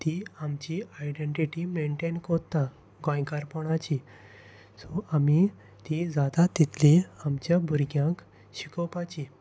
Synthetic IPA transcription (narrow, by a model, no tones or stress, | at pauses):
t̪iamt͡ɕiajɖẽɳʈiʈimeɳʈenkɔt̪ːa | ɡɔ̃jkaɾpɔɳat͡ɕi | sɔami | t̪id͡zat̪at̪ːit̪ʰliamt͡ɕjabʱuɾɡjãk | ɕikɔwpat͡ɕi